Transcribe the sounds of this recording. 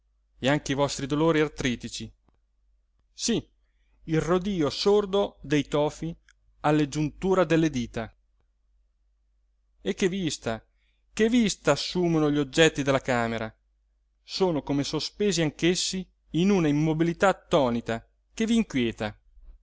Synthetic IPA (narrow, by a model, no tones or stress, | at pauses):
eaŋkeivɔst̪ɾid̪oloːɾialt̪ɾiːt̪it͡ʃi | si | ilrod̪iːosord̪od̪ejt̪ɔːfi | alːed͡ʒunt̪uːɾad̪elːed̪iːt̪a | ekːevist̪a | kevist̪aːsːuːmonoʎod͡ʒɛt̪ːid̪elːakaːmeɾa | soːnokomesospeːziaŋkesːiː | nunaimːobilit̪at̪ːɔːnit̪a | keviːŋkwjɛːt̪a